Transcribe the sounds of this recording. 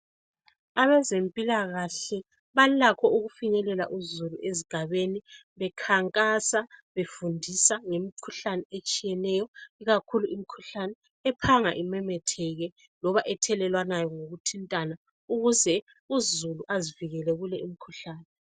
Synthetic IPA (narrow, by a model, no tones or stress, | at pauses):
aβɛzempʼilaɣaɬɛ | βalakʰɔuɣufiɲɛlɛla̰ʔuzuluʔeziɡ̥ʱaβeni | βɛkʰaŋkʼasaβefundʱisaŋemikʰuɬanɛet͡ʃʼijɛnɛjɔiɣakʰuluʔimikʰuɬanɛ | ɛpʰaŋa̰ʔimɛmɛtʰɛɣɛ | lɔβaʔɛtʰɛlɛlwanajɔŋoɣutʰintʼana | uɣuzɛ | uzuluʔaziviɣɛlɛɣulɛim̩ikʰuɬaːnɛ